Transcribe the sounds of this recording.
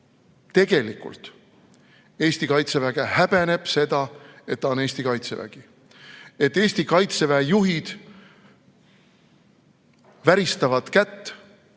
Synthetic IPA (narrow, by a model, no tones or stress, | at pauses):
t̪e̞ɡ̥e̞likṵlt̪ | e̞ːsʲt̪ikɑjt̪se̞væɡ̥e̞hæb̥e̞ne̞b̥se̞d̪̥ɑe̞t̪ːɑo̞ne̞ːsʲt̪ikɑjt̪sevæ̰ɡ̥i | e̞t̪ːe̞ːsʲt̪ikɑjt̪se̞væjuɦid̪̥ | væɾist̪ɑvɑd̪̥kæt̪ː